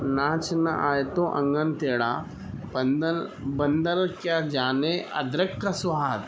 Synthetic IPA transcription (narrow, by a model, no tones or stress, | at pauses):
naːt͡ʃɐnɐʔaːjt̪õʔɐŋɡɐnt̪eːɽa | bɐnd̪bɐnd̪ɐlkjaːd͡ʒaːneɐ̰d̪ɾɐkʈɐsʋaːd̪